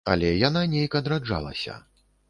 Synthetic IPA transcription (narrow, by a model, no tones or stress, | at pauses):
ɐ̰lʲɛjananʲejkɐd̪ɾad͡ʐa̰lˠɐ̰sʲɐ̰